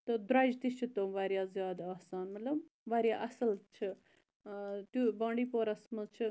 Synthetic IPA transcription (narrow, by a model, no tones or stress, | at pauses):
t̪ɨd̪ɾaːd͡ʒt̪it͡ʃʰit̪omʋaːɾjaːzjaːd̪aːsaːnmɐt̪lɐmʋaːɾʲjaːʔɐsɐlt͡ʃʰi | t̪ubãːɳɖiːpoːɾɐsmɐzt͡ʃʰi